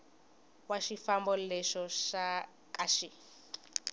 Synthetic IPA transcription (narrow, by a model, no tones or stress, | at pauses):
waʃifambɔlɛʃɔʃa | kʼaʃi